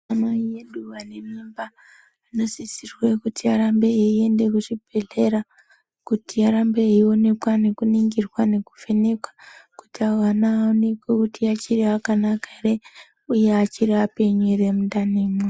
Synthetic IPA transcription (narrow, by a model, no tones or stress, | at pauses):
amaijeduʋanemimba | ano̞zisirwe̞kutʰiaɾambeeie̞nde̞kuʐibʱe̞ɮe̞ɾa | kutiaɾambeio̞ne̞kwane̞kuniŋɡirwane̞ku̥fe̞ne̞kwḁkutiawanaone̞kwekutiat͡ʃiriakanakare | ujeat͡ʃiɾiape̞ɲuɾemundaneme